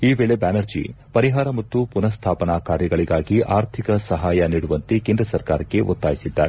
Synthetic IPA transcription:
iːʋe̞ːɭe̞baːnɐɾd͡ʒḭ | pɐɾiɦaːɾɐmɐt̪ːupunɐst̪ʰaːpɐnaːkaːɾjɐɡɐɭiɡaːɡiʔaːɾt̪ʰikɐsɐɦaːjɐniːɽuʋɐnt̪ekeːnd̪ɾɐsɐɾkaːɾɐkːe̞ʔot̪ːaːjisid̪ːaːɾe

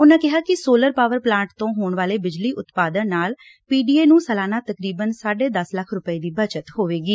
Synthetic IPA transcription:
ʊnãːkɪɦaːkɪsoːləɾpaːʋəɾplãːɳʈt̪õːɦoːɳʋaːleːbɪd͡ʒliːʔʊt̪paːd̪ənnaːl | piːɖiːeːnũːsəlaːnaːt̪əkɾiːbənsaːɖeːd̪əsləkʰɾʊpəiːd̪iːbət͡ʃət̪hoːʋeːɡiː

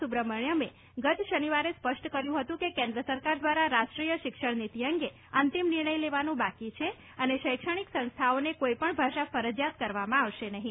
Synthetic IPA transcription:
ubɾəməɳjəme | ɡət̪ʃəniʋaɾespəʃʈkəɾjũɦət̪ũkekẽnd̪ɾəsəɾkaɾd̪ʋaɾaɾaʃʈɾijəʃɪkʂəɳnit̪iəŋɡe | ənt̪imnɪɾɳ̃əjleʋanũbakit͡ʃʰe | əneʃəjkʃəɽ̃iksə̃nst̪ʰaonekoipəɳbʱaʃafəɾəd͡ʒjat̪kəɾʋamãaʋʃenəɦĩ

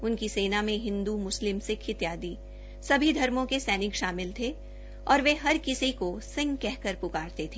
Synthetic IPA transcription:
ʊnkiseːnamẽɦɪ̃nd̪umʊslɪmsekʰɪt̪jaːd̪i | sɐbʱid̪ʱɐɾmõkesɛːnɪkʃaːmɪlt̪ʰe | ɔːɾʋeɦɐɾkɪsikosɪ̃ŋɡkɛɦkəɾpʊkaːɾt̪et̪ʰeː

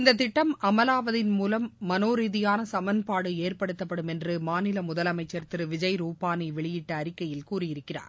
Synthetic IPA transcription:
ɪnd̪ɐt̪ːɪʈːɐmɐmɐlaːʋɐðɪnmuːlɐmːɐnoːɾiːðɪjaːnɐsɐmɐnpaːɽɯeːrpɐɽɯt̪ːɐpːɐɽɯmɛndrɯmaːnɪlɐmʊðɐlɐmɐɪt͡ʃːɐɾt̪ɪɾɯʋɪd͡ʒɐjɾuːpaːniʋɛɭɪjɪʈːɐːɾɪkːɐjɪlkuːrɪjɪɾɯkːɪra̰ːɾ

